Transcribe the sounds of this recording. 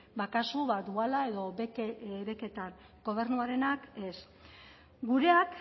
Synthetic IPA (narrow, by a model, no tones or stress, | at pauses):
bakasuβad̪ualae̞ðo̞βe̞ke̞t̪aŋ | ɡ̥o̞β̞e̞ɾnuaɾe̞nake̞s | ɡuɾe̞ak